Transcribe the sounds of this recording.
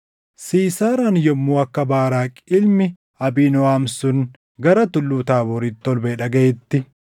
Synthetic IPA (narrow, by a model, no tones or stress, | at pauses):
siːsaːɾanjɔmːuːɐkːɐbaːɾaːkʼɪlmɪ | ɐbiːnɔwaːmsʊn | ɡɐɾɐt̪ʊlːuːt̪aːbɔɾit̪ːɔlbeːᶑɐɡɐɛt̪ːɪ